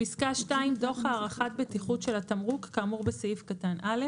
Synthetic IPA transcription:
piskaʃtaimdo̞χhaːʁaχat̪̚betiχutʃelat̪amʁukːaːmuʁbesajifkatanʔale

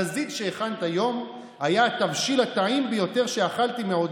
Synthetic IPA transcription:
azid̪ʃeːχant̪ajo̞m | hajaːt̪avʃilat̪aimbejo̞t̪eʁʃeaχalt̪imeod̪

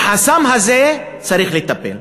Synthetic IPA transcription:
ħasamɦaze | t͡saɾiχlet̪apḛl

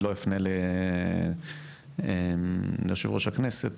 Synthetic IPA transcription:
loifnele | emljoʃevʁoʃhakneset̪

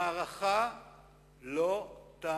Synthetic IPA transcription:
aːʁaχa | lot̪aː

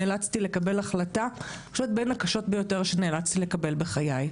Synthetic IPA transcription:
eːlat͡st̪ilekabe̞laχlata | oʃɛt̪̚benakaʃo̞tbejo̞te̞ʁʃeneːlat͡st̪ile̞kabe̞lbe̞χajaj

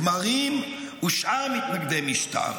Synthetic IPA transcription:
maʁim | uʃʔaʁmit̪naɡd̪emiʃta̰ʁ

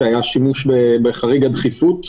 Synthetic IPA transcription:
ajaʃimuʃbebeχaʁiɡad̪χifut̪

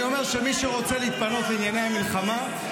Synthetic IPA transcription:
o̞me̞ʁʃemiʃuʁo̞t͡seliːt̪̚pano̞t̪linjanehamilχama

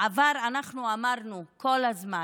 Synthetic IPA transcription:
avalanaχnuamaʁnuko̞lazma

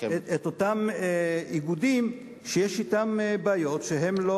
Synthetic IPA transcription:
et̪otameiɡudim | ʃejeʃitambaːjo̞tʃeɦe̞mlo

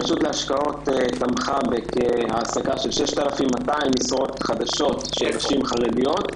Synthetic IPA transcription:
aʃut̪leaʃkao̞t̪etamχavekehaːsakaʃelʃeʃt̪alafimːataimisʁo̞t̪χad̪aʃo̞t̪ʃedaʃimχaʁedijo̞t

